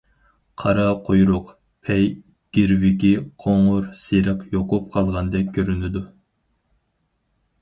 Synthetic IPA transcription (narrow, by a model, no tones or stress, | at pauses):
qʰɑɾɑqʰojɾuq | pʰɛj | ɡ̥ʲiɾviɡʲiqʰoŋuɾsiɾɨqjoqʊp̚qʰɑlˠʁɑnd̪ɛp̚kʲʰøɾynyd̪u